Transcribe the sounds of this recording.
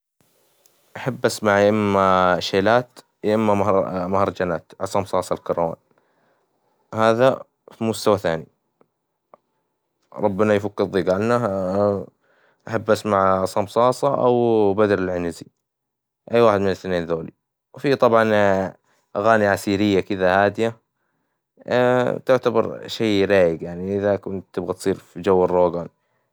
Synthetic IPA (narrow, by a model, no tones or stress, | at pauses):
ʔaħabːʔasmaʕʔɪmːaʃeːlaːt̪ | ʔɪmːamahɑɾˤd͡ʒanaːt̪ʕɑsˤɑmsˤɑːsˤɑlkɑɾˤwa̰ːn | haːða | fimʊst̪awaθaːni | ɾˤɑbːɪnajfakːɪðˤːiːɡalna | ʔaħabːʔasmaʕsˤɑmsˤɑːsˤɑʔa̰wbad̪ɾɪlʕɪnzi | ʔajːwaːħɪd̪mɪnɪθneːnðoːlḭ | wfit̪ˤɑbʕɑn | ʔaɣaːniʕasiːɾɪjːakɪðahaːd̪ɪja | t̪ʊʕt̪abɑɾˤʃejɾaːjɪɡjaʕniʔɪðakʊnt̪ːɪbɣat̪sˤiːɾfid͡ʒawːɪɾːoːɡan